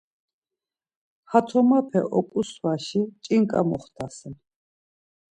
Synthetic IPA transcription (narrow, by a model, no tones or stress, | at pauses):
hat̪ʰɔmapʰɛ̰ʔɔkʼuswaʃit͡ʃʼiŋkʼa̰mɔχt̪ʰasɛn